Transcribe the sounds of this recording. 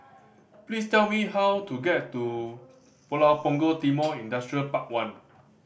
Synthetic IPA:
plistɛlmiɦawtuɡɛtːu | pɔlapɔ̃ŋɡotimɔĩndastɹiəlpak̚wãn

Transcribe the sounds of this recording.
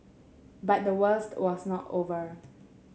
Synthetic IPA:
bat̚dəwəstwɔsnɔtovəɹ

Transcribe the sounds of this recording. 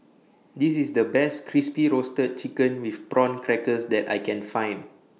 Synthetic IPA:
dis̬isdəbɛstkʰɹispiɹostət̚t͡ʃikə̃nwifpɹɔ̃nkʰɹɛkəsdɛta̰jkɛ̃nfãj̃n

